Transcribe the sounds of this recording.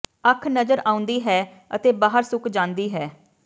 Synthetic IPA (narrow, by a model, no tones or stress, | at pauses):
əkʰnəzəɾaːʊ̃nd̪iːɦɛː | ət̪eːbaːɦəɾsʊkʰd͡ʒãːnd̪iːɦɛː